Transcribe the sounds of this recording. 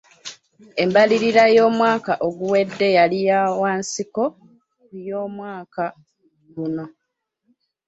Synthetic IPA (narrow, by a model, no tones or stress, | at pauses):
e̞mbaliɾiɾajo̞ːmwaːkaʔoɡuwe̞dːe̞jalijawaːnsiko̞ | jo̞ːmwaːka | ɡuno̞